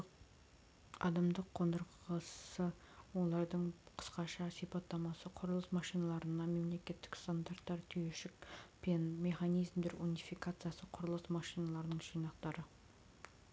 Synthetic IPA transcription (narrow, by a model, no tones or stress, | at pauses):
ɑ̰d̪ɑmd̪əqʰːond̪əɾqəsə | wo̞lˠɑɾd̪əɴqʰə̥sqɑʃɑsipɑt̪ːɑmɑsəqʰʊɾəlˠəsmɑʃijnɑlˠɑɾənɑme̞mle̞kʲe̞t̪ːɪ̥kst̪and̪art̪ːɑɾt̪ʲʰyjeʃɪkpenme̞χanijzmd̪eɾunijfijkat̪sɨjasəqʰʊɾəlˠəsmɑʃijnɑlˠɑɾnəɴʒijnɑqt̪ɑɾə